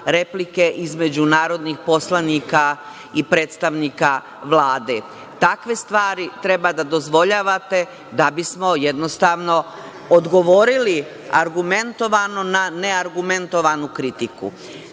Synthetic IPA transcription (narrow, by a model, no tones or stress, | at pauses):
ɾe̞plike̞ʔizme̞d͡ʑunaːɾo̞d̪nixpo̞slˠaniːka | ipɾeːt̪st̪aʋniːka | ʋlaːd̪e̞ | t̪akʋe̞st̪ʋaːɾit̪ɾe̞bad̪ad̪o̞zʋo̞ʎaːʋat̪e̞ | d̪abismo̞jed̪nost̪aʋno̞ | od̪ɡo̞ʋo̞ɾili | aɾɡume̞nt̪o̞ʋanonaneaɾɡume̞nt̪o̞ʋanukɾit̪ikṵ